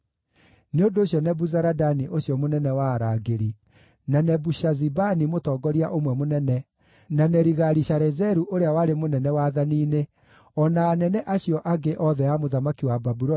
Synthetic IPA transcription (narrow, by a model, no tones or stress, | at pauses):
neondoːɕjɔnɛbuzaɾadaniʔoɕjɔmonɛnɛwaɾaɡeɾi | nanɛbuʃazibanimotɔːɡɔɾiaʔomwɛmonɛnɛ | nanɛɾiɣaɾiɕaɾɛzɛɾuʔoɾeawaɾemonɛnɛwaðaniːne | ɔnaːnɛnɛʔaɕijɔʔaɡeʔɔðɛjamoðamakiwababuɾɔ